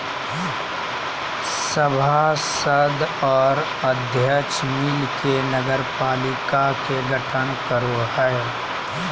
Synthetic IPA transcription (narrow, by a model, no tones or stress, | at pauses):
səbʱasəd̪ɔːɾ | əd̪ʱjət͡ʃmiːlkenəɡəɾpaːlɪkakeɡʱɐʈʰənkəɾoɦɛ